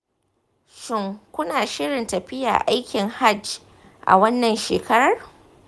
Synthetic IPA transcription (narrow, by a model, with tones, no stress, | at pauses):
ʃɪ˦ŋkʷʊ˦naː˨ʃɪ˦ɽɪ˨ntɐ˨ɸɪ˦ja̰ː˨ʔa˦jkʲɪ˨ŋha˦˨d͡ʒ | ʔa̰˨wɐ˦nːɐ˨nʃeː˨kʰɐ˦ɾɐ˨r